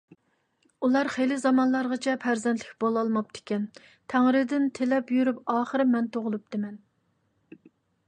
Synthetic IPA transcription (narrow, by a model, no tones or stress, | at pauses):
ulˠɑɾχejlɪzɑmɑnlˠɑɾʁɑt͡ʃʰɛpʰæɾzɛnt̪ʰlɪkʲbolˠɑlˠmɑp̚t̪ɪ̥kʲɛn | t̪ʰæŋɾɪd̪ɪnt̪ʰelɛpjyɾypɑːχəɾɨmɛnt̪ʰoʁʊlˠup̚d̪ɪmɛn